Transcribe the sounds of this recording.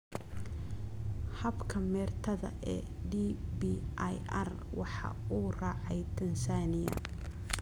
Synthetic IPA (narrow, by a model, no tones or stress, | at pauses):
hɐbkʰɐmɛːrt̪ʰɐðɐ̰ʔɛː | ɖibiʔjʔɐr | wɑħɑ̰uːrɑːʕɑjt̪ʰɐnsaːnɪjɐ̰